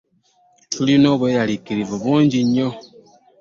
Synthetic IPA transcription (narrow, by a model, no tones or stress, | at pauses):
tulinɔβejalikiɾivɔβɔnd͡ʒiɲɔ